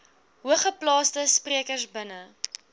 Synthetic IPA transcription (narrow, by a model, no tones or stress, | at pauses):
ɦuəχəplɑːstəspriəkərsbənə